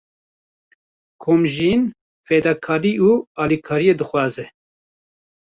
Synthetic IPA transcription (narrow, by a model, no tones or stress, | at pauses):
kʰoːmʒiːn | feːd̪ɑːkʰɑːɾiːuːɑːlikʰɑːɾijeːd̪ɨxʷwɑːzɛ